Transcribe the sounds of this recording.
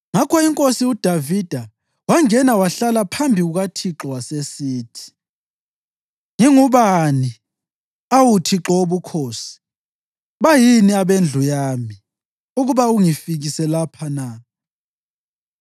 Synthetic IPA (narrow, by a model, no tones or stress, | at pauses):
ŋakʰɔiŋkʼosiud̥ʱavid̥ʱa | waŋɛnawaɬalapʰambʱiɣuɣatʰiǁɔwasesiːtʰi̥ | ŋiŋuβani | awutʰiǁɔoβukʰoːsi̥ | βajiniaβend͡ɮʱujami | uɣuβauŋifiɣisɛlapʰana